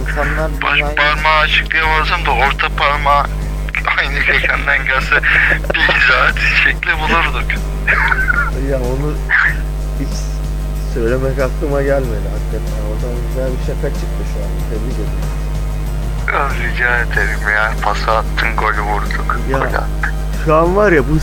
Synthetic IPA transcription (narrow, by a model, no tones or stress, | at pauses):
ink̪ʰanlˠaɾbaʃpʰaɾmaːt͡ʃʰɯ̥klˠɯjamazamd̪aoɾt̪ʰapʰaɾma | ajnɯkʰecʰænd̪ænɟasabiizaːt̪it͡ʃʃɛclʲibulˠuɾd̪uk | jaonu | hit͡ʃ | sø̞jlʲe̞mɛkaklˠɯmaɟælʲme̞d̪iɦak̪ːat̪ʰaod̪anɟyzælʲbiʃekʰat͡ʃʰɯk̚t̪ʰɯʃua̰nd̪d̪ʰebiɟøze | azid͡ʒaːɾet̪ʰeɾimjapʰasaːt̪ʰːɯŋɡolʲvuɾd̪ʰukʰɯjaolʲa̰a̰t̪ːɯ̥ | ʃuanvaɾjabu